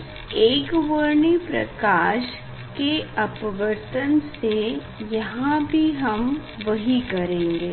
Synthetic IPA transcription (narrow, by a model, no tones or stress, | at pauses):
eːkʋoɾɳipɾɐ̰kaːʃ | keɐpəʋəɾt̪ənse | jɐɦãbʱiɦɐm | ʋɐɦikɐɾẽːŋɡeː